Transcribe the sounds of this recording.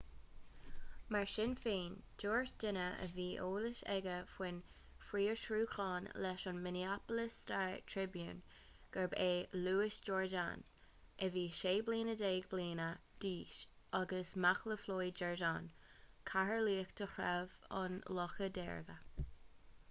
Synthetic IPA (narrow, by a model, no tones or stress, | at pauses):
maɹʃɪnfiːnd̥oːɹʃd̥ɪnəə̰viːʔoːlɪʃɛ̰ɡəfwɪn | fɾiːɹʃɾuːxɑːnlɛʃʊnmɪniapələstʰaɹtʰɹɪbjṵːn | ɡ̥əɹbeːluːɪsd͡ʒɔːɹda̰n | ɛviːʃeːbliːnədeːɡbliːnə | d̥iːʃ | ʔɑɡəsmaxləfloːjd͡ʒɔɹdan | kʰahəliːəkt̪ʰəxɾɛvɑ̰nlɔxədɛ̰ːɹɡə